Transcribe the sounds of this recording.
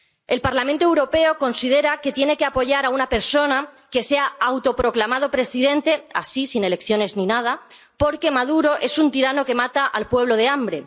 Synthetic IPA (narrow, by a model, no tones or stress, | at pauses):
e̞lpaɾlamẽnt̪oewɾo̞pe̞o̞ko̞nsiðe̞ɾake̞t̪je̞ne̞keapo̞ʝaɾaunape̞ɾso̞na | ke̞se̞aawt̪o̞pɾo̞klamað̞o̞pɾe̞siðe̞nt̪e̞a̰sisine̞le̞kθjo̞ne̞zninað̞a | po̞ɾke̞maðuɾo̞ʔe̞sunt̪iɾano̞ke̞mat̪aʔalpwe̞β̞lo̞ðe̞ambɾe̞̰